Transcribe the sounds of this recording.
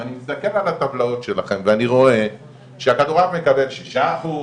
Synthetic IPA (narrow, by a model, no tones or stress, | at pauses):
animist̪ake̞lalat̪avlao̞tʃelaχe̞mveaniʁo̞e̞ | ʃeakad̪oʁavme̞kabe̞lʃiʃaχu